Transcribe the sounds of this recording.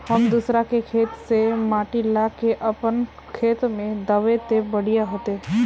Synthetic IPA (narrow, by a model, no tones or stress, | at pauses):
həmd̪usɾakekʰeːt̪semaːʈilakeʔəpən | kʰeːt̪mẽd̪əʋet̪ebəɽ̤ijaɦoːt̪e